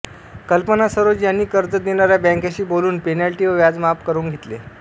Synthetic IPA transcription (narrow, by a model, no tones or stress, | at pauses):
kəlpənasəɾod͡ʑjanːiːkəɾd͡zəd̪inaɾjabɛ̃ŋkaɕiːboluːnpenalʈiːʋəʋjad͡zmapkəɾuːnɡʱet̪lḛ